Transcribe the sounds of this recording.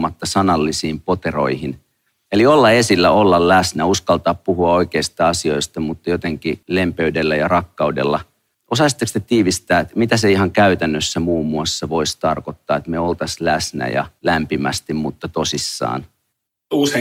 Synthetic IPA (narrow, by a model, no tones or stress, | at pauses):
mɑt̪ːɑsɑnɑlːisiːmpo̞t̪ero̞̰ihin | eliolːɑe̞silːæo̞lːɑllæsnæuskɑlt̪ɑːppuɦuɑo̞ikeist̪ɑɑsio̞ist̪ɑmut̪ːɑjot̪eŋkile̞mpeydelːæjɑrɑkːɑudḛlːɑ | ʔosɑsit̪ːekst̪et̪iːʋist̪æːet̪mit̪æseiɦɑŋkæyt̪ænːøsːæmuːmːuɑsːɑʋo̞ist̪ɑrkot̪ːɑːet̪meo̞lt̪ɑslæsnæ̰jɑ̰læmpimæ̰st̪immut̪ːɑt̪osisːɑ̰ːn | uːse